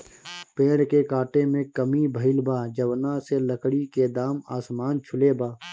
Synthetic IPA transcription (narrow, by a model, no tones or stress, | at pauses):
pẽːɽkekaːʈemẽkəmibʱəɪlbaːd͡ʒɐwnaseləkɽiked̪aːma̰ːsmaːnt͡ʃʰʊlebaː